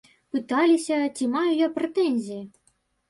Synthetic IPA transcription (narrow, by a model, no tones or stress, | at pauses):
pɨt̪alʲisʲɐt͡sʲimajujapɾɛt̪ɛnʲzʲiji